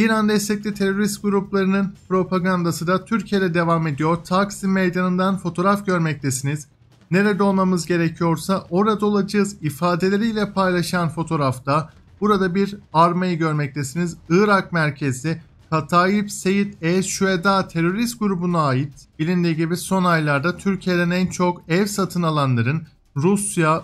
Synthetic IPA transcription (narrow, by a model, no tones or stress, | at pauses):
iːɾand̪ɛst̪ʰɛc̚lʲit̪ʰe̞ɾo̞ɾist̪̚ɡuɾuplˠaɾɯnɯnpɾo̞pʰaɡand̪asɯd̪at̪ʰyɾcʰije̞d̪ɛd̪e̞vame̞d̪ijo̞ɾt̪ʰaksimejd̪anɯnd̪anfo̞t̪ʰo̞ːɾafɟø̞ɾmɛc̚lʰʲesiniz̥ | ne̞ɾed̪ɛo̞lˠmamɯzɟe̞ɾecʰijo̞ɾsaʔo̞ɾad̪o̞lˠad͡ʒɯɯzifaːd̪e̞lʲe̞ɾijlʲɛpʰajlˠaʃɯanfo̞t̪ʰo̞ːɾaft̪a | b̥uɾad̪abiɾaɾmajɯɟø̞ɾmɛc̚lʰʲe̞sinizɯːɾakmæɾcʰe̞zi | kʰat̪ʰaːjipse̞jit̪ɛʃyed̪aːt̪ʰe̞ɾo̞ɾist̪̚ɡuɾubunaaːjit̪b̥ilʲind̪iɟibiso̞najlˠaɾd̪at̪ʰyɾcʰijed̪ɛnænt͡ʃʰo̞kɛvsat̪ʰɯnalˠanlˠaɾɯn | ɾusja